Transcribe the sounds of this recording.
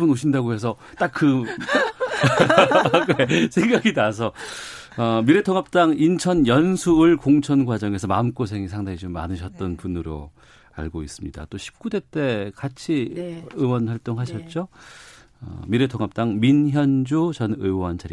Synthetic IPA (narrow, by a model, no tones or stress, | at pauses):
unoɕʰindaɡohe̞s̬ʰʌ | t͈akk͈ɯ | kesʰe̞ŋɡaɡinas̬ʰʌ | ʌmiɾe̞tʰoŋap̚t͈aŋint͡ɕʰʌnjʌnsʰuːɭkoŋt͡ɕʰʌnɡwad͡ʑʌŋe̞sʰʌmaɯmk͈osʰe̞ŋisʰaŋdaŋit͡ɕomːa̰nɯɕʰʌt̚t͈ʌnpunɯɾo̰ | a̰ɭɡois͈ɯmɲḭda̰t͈oɕʰi̥p̚k͈ude̞t͈e̞kat͡ɕʰiɯwʌnɸwaɭt͈oŋɦaɕʰʌt̚t͡ɕ͈o | ʌ̰miɾe̞tʰoŋap̚t͈aŋminçjʌnd͡ʑot͡ɕʌnɯwʌnt͡ɕʰaɾi